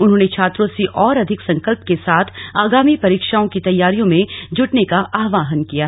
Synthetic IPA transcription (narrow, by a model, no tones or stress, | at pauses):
ʊnɦõːnet͡ʃʰaːt̪ɾõseʔɔːɾɐd̪ʱɪksɐ̃ŋkəlp̚kesaːt̪ʰaːɡaːmipɐɾiːkʃaːõkit̪ɐjːaːɾijõmẽd͡ʒʊʈnekaʔaːɦʋaːɦənkija